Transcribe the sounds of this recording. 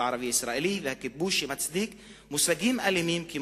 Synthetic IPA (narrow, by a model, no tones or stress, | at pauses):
ʕɑɾˤɑbiʔɪsɾɑʔilijvɪhakːɪt̪̚buːʃɪmat̪sd̪iːk | mʊsaɡiːmʔalːɪmiːmki